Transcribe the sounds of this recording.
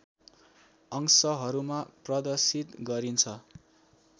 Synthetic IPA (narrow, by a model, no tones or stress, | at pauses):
ʌŋsʌɦʌɾumaprʌd̪ʌsit̪ɡʌɾint͡sʰʌ